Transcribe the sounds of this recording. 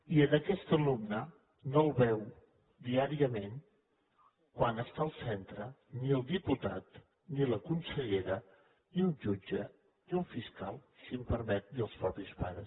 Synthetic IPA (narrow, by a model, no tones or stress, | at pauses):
iənəkɛst̪əlumnə | nolˠβɛw | d̪iaɾiəmen | kwanəst̪aəlˠsɛnt̪ɾəniəlˠd̪iput̪at̪ | niləkunsəʎeɾə | niunʒud͡ʒə | niulfiskalˠsimpəɾmɛt̪̚niəlˠspɾɔpispaɾəs